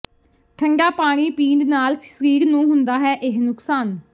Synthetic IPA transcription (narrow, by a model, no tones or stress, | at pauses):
ʈʰəŋɡaːpaːɽ̃iːpĩːɳɖnaːlssɾiːɾnũːɦʊnd̪aːɦɛːʔɪɦnʊksaːn